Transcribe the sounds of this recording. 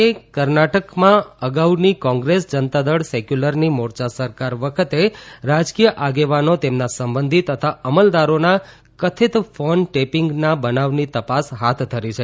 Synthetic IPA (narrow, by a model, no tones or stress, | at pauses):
ekəɾnaʈəkmãəɡaunikɔ̃ŋɡɾesd͡ʒənt̪ad̪əɽsekjuləɾnimoɾt͡ʃasəɾkaɾʋəkʰət̪eɾad͡ʒkijəʔaɡeʋanot̪emnasəmbənd̪ʱit̪ət̪ʰaəməld̪aɾona | kət̪ʰit̪fonʈepɪŋɡnabənaʋnit̪əpasɦat̪ʰd̪ʰʱːəɾit͡ʃʰe